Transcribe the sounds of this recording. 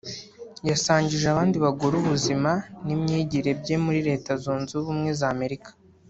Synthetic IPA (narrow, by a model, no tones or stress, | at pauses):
jasaːɲɟiʒeaβaːndiβaɡoɾuβuzimanimɲeːɟiɾe̞bɟe̞muɾiɾe̞ːtazuːnzuuβumŋe̞zaːme̞ɾikḁ